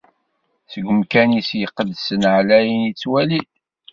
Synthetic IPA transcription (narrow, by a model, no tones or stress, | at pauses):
səɡʷəmkænisjəqːəd̪sənʕlæjənit͡sːwæli